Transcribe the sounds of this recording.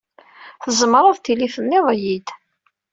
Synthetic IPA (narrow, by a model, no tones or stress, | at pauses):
θəzˤmɾˤɑðˤt̪iliθənːɪðˤjid̪